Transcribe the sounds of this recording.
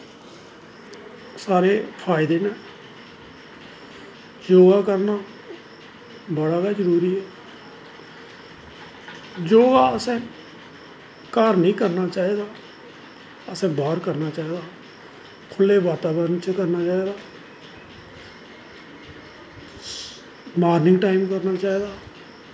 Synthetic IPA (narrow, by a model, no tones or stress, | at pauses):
saːɾeːpʰaːɪd̪eːnẽː | d͡ʒoːɡaːkəɾnaː | bəɽaːɡaːd͡ʒəɾuːɾiːɛː | d͡ʒoːɡaːəsɛ̃ː | kaɾnĩːkəɾnaːt͡ʃaːiːd̪aː | əsɛ̃ːbaːɾkəɾnaːt͡ʃaːiːd̪aː | kʰʊlːeːʋaːt̪aːbəɾənt͡ʃkəɾnaːt͡ʃaːiːd̪aː | maːɾnɪŋɡʈaːɪmkəɾnaːt͡ʃaːiːd̪aː